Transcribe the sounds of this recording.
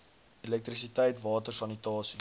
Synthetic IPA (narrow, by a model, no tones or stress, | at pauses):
ilɛk̚t̪risitɛjtvɑːtərsɐnitɑːsi